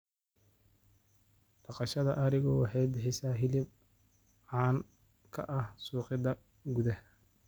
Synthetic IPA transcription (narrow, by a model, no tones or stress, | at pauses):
ɖ̥ɑqɑʃɐðɐ̰ʔɐɾɪɣɔwɑħɑjbɪħɪsaːɦɪlɪb̚ | ʕɑːn | kʰɐ̰ʔɐhsuːqɪðɐ | ɡʊðæh